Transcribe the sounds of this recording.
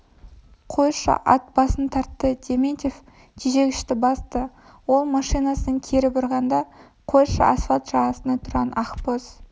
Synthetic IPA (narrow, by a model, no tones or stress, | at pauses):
qʰo̞jʃə̰ʔɑ̰t̪̚bɑsənt̪ʰɑɾt̪ːəd̪ʲemʲenʲt̪ʲef | t̪ʰeʒe̞ɡʲɪʃt̪ɪbɑst̪ə | wo̞lˠmɑʃijnɑsəəŋkʲʰe̞ɾɪbʊɾʁɑnd̪ɑ | qʰojʃə̰ʔɑsfɑlt̪ʒɑʁɑsənɑt̪ʰʊɾʁɑnɑqpoz̥